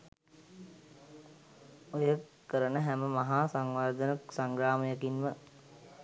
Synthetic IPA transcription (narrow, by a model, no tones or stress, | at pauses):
ojəkːəɾənəɦæməmaɦaːsaŋʋaɾd̪ənəksaŋɡɾaːməjəkinmə